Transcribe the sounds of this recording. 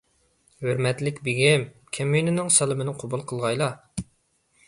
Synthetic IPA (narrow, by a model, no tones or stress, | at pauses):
høɾmɛt̪lɪkʲbiɡʲɛmkʲʰɛmːyjnɪnɪŋsɛlˠɪmɪnɪqʰobulˠqʰəlˠʁɑjlˠɑ